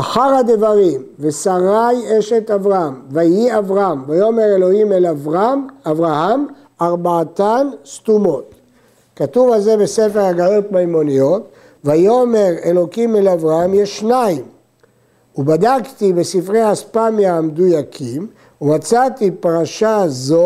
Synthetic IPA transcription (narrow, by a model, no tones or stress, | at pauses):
aχaʁhad̪evaʁimvesaʁajeʃet̪avʁaamvajiavʁaamvajo̞me̞ʁe̞lo̞himelavʁamavʁaham | aʁbaːt̪anst̪umo̞t̪ | kat̪uvalze̞besefeʁhaɡalot̪̚majmonijot | vajome̞ʁelo̞kimelavʁaamjeʃːnaim | ubad̪akt̪ibesifʁejaaspamjamed̪ujakʰim | umat͡sat̪ipaʁaʃazo